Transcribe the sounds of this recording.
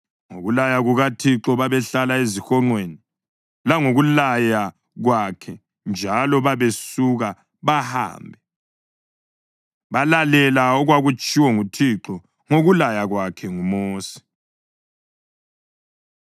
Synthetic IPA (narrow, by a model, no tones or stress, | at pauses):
ŋo̰ɣulajaɣuɣatʰiǁɔβaβɛɬalaezixɔŋ͡ǃweːni | laŋoɣulaja | ɣwakʰɛ | nd͡ʒʱalɔβaβesuɣa | βaha̰ːmbʱɛ | βalalɛlaɔɣwaɣut͡ʃʼiwɔŋutʰiǁɔ | ŋoɣulajaɣwakʰɛŋumoːsi̥